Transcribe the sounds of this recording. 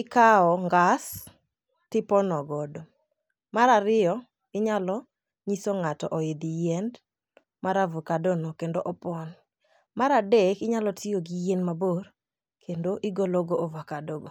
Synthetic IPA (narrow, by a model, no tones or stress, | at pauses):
ɪkaɔŋɡas | tɪpɔnɔɡɔdo | maɾaɾɪɔ | ɪɲalɔ | ɲisoŋatɔʔɔɪd̪ɪjɛnd | maɾavɔkadɔnɔkendoʔɔpɔn | maɾadekɪɲalɔtʰɪjoɡijenmabor | kʰendoʔɪɡoloɡoovakadoɡo